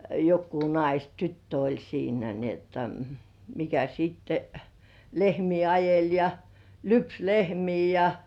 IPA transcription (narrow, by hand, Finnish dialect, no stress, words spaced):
jokːuː nɑis tytːø olʲ siːnæ ni otːɑ mikæ sitːe lehmiː ɑjelʲ jɑ lyps lehmiː jɑ